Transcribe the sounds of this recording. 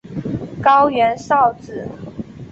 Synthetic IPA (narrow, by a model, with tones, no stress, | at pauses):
kɑ˥˦ʊɥɛ˨˦˥nsɑ˥˨ʊt͡sɹ̩˨˩˦